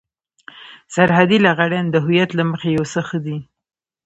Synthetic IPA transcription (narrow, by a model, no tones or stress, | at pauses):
saɾɦad̪ilaɣaɽand̪əɦʊjat̪laməxejawsəxəd̪i